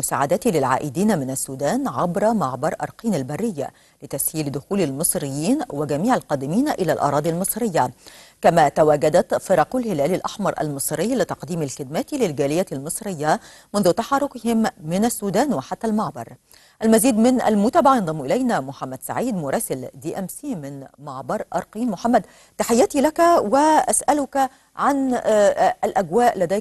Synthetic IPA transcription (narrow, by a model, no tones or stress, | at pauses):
ʊsaːʕad̪at̪lɪlʕa̰ːʔɪd̪iːnamɪnasːuːd̪aːnʕabɾˤɑmɑʕbɑɾˤʔɑ̰ɾˤqiːnalbarːɪjːa̰ | lɪt̪ashiːld̪ʊxuːlalmɨsˤɾɪjːiːnwaɡamiːʕalqɑːd̪ɪmiːnʔɪlaːlʔɑ̰ɾˤɑːd̪ˤilmɨsˤɾɪjːakamaːt̪awaːɡad̪at̪fɨɾˤɑqʊlhɪlæːlɪlʔaħmɑɾˤʔa̰lmɨsˤɾɪjːlɪt̪ɑqd̪iːmalxɪd̪mat̪lɪlɡaːlɪjalmɨsˤɾɪjːa | mʊnðʊt̪ɑħɑɾˤːʊkɪhɪmːɪnasːuːd̪æːnwɪħat̪ːalmɑʕbɑ̰ɾˤ | ʔalmaziːd̪mɪnʔa̰lmʊt̪aːbaʕjɑnd̪ˤɑmːʔɪlajnamʊħamːad̪sa̰ʕiːd̪mʊɾˤɑːsɪld̪iːʔæmsiːmɪnmɑʕbɑɾˤʔɑɾˤqiːnmʊħamːæd̪ | t̪aħɪjːæt̪iːlakwɪʔasʔalʊk | ʕan | ʔalʔaɡwaːʔlad̪æː